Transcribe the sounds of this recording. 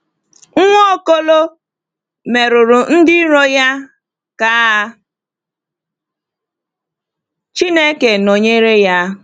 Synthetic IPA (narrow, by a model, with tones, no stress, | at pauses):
ŋ̩˦ŋʷo˦ɔ˦ko˦lo˦ | me˨ɾʊ˨ɾʊ˨n̩˦dɪ˦ɾɔ˦ja˦ | ka˨˦ | t͡ʃi˦ne˦ke˨no˨ɲe˦ɾe˦ja˦